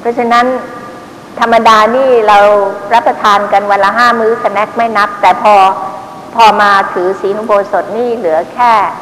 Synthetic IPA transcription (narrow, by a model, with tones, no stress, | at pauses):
pʰɾɔ˦˥t͡ɕʰa˧na˦˥n | t̪ʰa˧mːa˧daː˧niː˥˩ɾa˧wɾa˦˥pːɾa˧t̪ʰaː˧nka˧nwa˧nla˧˥ɦaː˥˩mɯː˦˥sa˧nɛ˦˥k̚ma˥˩jna˦˥p̚t̪ɛː˨˩pʰɔː˧ | pʰɔː˧maː˧t̪ʰɯː˩˦siː˩˦nu˧˦boː˧so˨˩t̪̚niː˥˩lɯ˩˦ɐkʰɛː˥˩